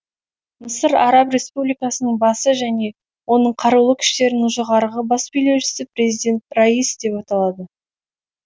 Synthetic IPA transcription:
məsəɾɑɾɑprʲe̞spublʲijkɑsənəɴbɑsəʒæne̞ | wo̞nəɴqʰɑɾulˠəkʲʰʏ̥ʃt̪e̞ɾɪnʒəʁɑɾəʁəbɑsbɵʏjle̞wʃɪ̥sɪprʲe̞zijd̪ʲe̞nt̪raisd̪̥e̞pɑt̪ɑlˠɑd̪ə

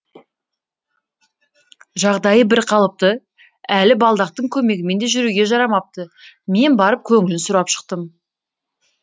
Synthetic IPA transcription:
ʒɑʁd̪ɑjəbɪɾqʰɑlˠəp̚t̪ə | ælɪbɑlˠd̪ɑq̚t̪əɴkʲʰɵme̞ɡʲɪme̞nd̪e̞ʒʏɾuɡʲe̞ʒɑɾɑmɑp̚t̪ə | me̞nbɑɾəp̚kʲʰɵŋɪlɪnsʊɾɑpʃə̥q̚t̪əm

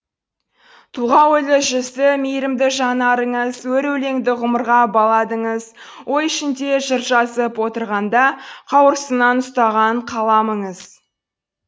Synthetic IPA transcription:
t̪ʰuʁɑwojlˠəʒʏzɪmijɾɪmd̪ɪʒɑnɑɾəɴəzwɵɾɵle̞ŋd̪ɪʁʊməɾʁɑbɑlˠɑd̪əɴəz | wʔo̞j̪ʏʃɪnd̪e̞ʒəɾʒɑzəpwo̞t̪əɾʁɑnd̪ɑqʰɑwəɾəsənɑnʊst̪ɑʁɑɴqʰɑlˠɑməɴəz

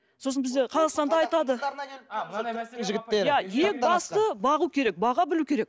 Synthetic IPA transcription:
so̞s̬ənbɪzd̪e̞qʰɑzɑʁst̪ɑnd̪ɑɑjt̪ɑd̪ə | ʒɪɡʲɪt̪ːejajek̚bɑst̪əbɑʁuwkʲʰe̞ɾe̞k̚bɑʁɑbɪlukʲʰe̞ɾek̚

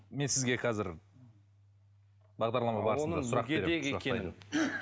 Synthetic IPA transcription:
me̞nsɪzɡʲe̞qʰɑzɪɾ | bɑʁd̪ɑɾlˠɑmɑbɑɾənəɑsʊɾɑqɡʲeɾeeɡekʲen

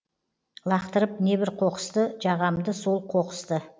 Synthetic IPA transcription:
lˠɑqt̪əɾəp̚ne̞bɪɾqʰo̞qə̥st̪əʒɑʁɑmd̪əso̞lˠqʰo̞qə̥st̪ə

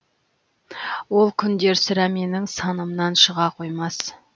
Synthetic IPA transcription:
wo̞lˠkʲʰʏnd̪e̞ɾsɪɾæme̞nɪŋsɑnəmnɑnʃəʁɑqʰo̞jmɑs

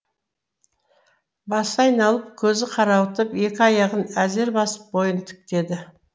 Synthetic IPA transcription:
bɑsɑjnɑlˠəp̚kʲʰɵzɪqʰɑɾɑwt̪əpje̞kʲɪɑjɑʁənæzeɾbɑsə̥p̚bo̞jənt̪ʰʏ̥k̚t̪e̞d̪ɪ

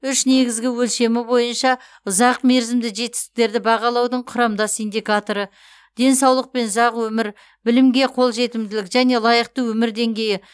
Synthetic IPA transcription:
ʏʃne̞ɡʲɪzɡʲɪwɵlʃe̞mɪbo̞jənʃɑ | ʊzɑqme̞ɾzɪmd̪ɪʒe̞t̪ɪ̥st̪ɪ̥k̚t̪e̞ɾd̪ɪbɑʁɑlˠɑwd̪əɴqʰʊɾɑmd̪ɑsind̪ʲikat̪oɾə | d̪̥e̞nsɑwlˠəq̚pe̞nʊzɑqwɵmɪɾ | bɪlɪmɡʲe̞qʰo̞lˠʒe̞t̪ɪmd̪ɪlɪkʒæne̞lˠɑjəq̚t̪əwɵmɪɾd̪e̞ŋɡʲe̞jɪ

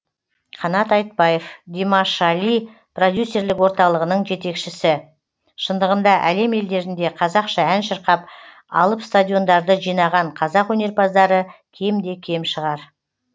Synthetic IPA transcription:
qʰɑnɑt̪ɑjt̪̚pɑjefd̪ʲemɑʃɑli | pro̞d̪ʲjusːe̞ɾlɪkwo̞ɾt̪ɑlˠəʁənəɴʒe̞t̪e̞kʃɪsɪ | ʃənd̪əʁənd̪ɑʔæle̞me̞ld̪e̞ɾɪnd̪e̞qʰɑzɑqʃɑænʃəɾqɑp | ɑ̰lˠəpst̪ad̪ʲjo̞nd̪ɑɾd̪əʒijnɑʁɑɴqʰɑzɑqwɵne̞ɾpɑzd̪ɑɾəkʲʰe̞md̪e̞kʲʰe̞mʃəʁɑɾ

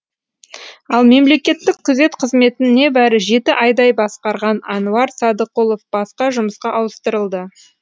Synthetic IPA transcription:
ɑlˠme̞mle̞kʲe̞t̪ːɪk̚qʰəze̞t̪qʰəzme̞t̪ɪne̞bæɾɪʒe̞t̪ɪʔɑjd̪ɑjbɑsqɑɾʁɑnɑnuɑɾsɑd̪əqolˠofb̥ɑsqɑʒʊməsqɑʔɑwəst̪əɾəlˠd̪ə

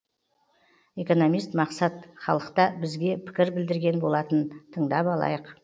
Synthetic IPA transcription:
e̞ko̞no̞mijst̪mɑqsɑt̪χɑlˠəqt̪ɑbɪzɡʲe̞pʰɪ̥kʲɪɾbɪld̪ɪɾɡʲe̞nbo̞lˠɑt̪ənt̪ʰəɴd̪ɑpɑlˠɑ̰jəq

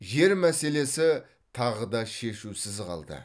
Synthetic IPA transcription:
ʒe̞ɾmæse̞le̞sɪ | t̪ʰɑʁəd̪ɑʃe̞ʃusɪzqɑ̰lˠd̪ə̰

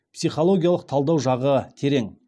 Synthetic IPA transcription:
psijχolˠo̞ɡʲijalˠəq̚t̪ʰɑlˠd̪ɑwʒɑʁət̪ʰe̞ɾe̞ŋ

